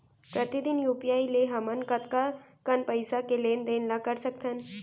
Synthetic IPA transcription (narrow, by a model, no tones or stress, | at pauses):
pɾət̪id̪injupijaileɦəmənkət̪kakənpəjsakelend̪enlakəɾsəkt̪ʰən